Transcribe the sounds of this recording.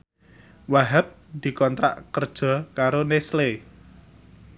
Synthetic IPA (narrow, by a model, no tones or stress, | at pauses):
waɦap̚d̪̥i̤kɔnt̪ɾa̰ʔkərd̥ʒ̥ɔ̤kaɾonesle